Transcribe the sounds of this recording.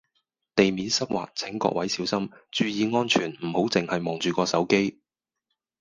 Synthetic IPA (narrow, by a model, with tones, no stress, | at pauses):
t̪e˨jmiː˨˥nsɐ˥p̚wʔa̰ː˨˩k̚t͡sʰɪ˨˥ŋkɔ̰ː˧k̚wɐ˨˥jsiː˨˥wsɐ˥mt͡ʃyː˨˧jiː˨˧ŋɔː˥nt͡ʃʰyː˨˩nm̩˨˩ho˨˥wt͡sɪ˨ŋhɐ˨jmɔː˨˩ŋt͡ʃyː˨kɔː˧sɐ˨˥wke˥j